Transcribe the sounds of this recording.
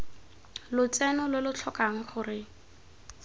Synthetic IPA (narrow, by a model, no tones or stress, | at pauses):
lʊt͡sɛnɔlʊlʊt͡ɬʰɔkaŋ̩χʊrɪ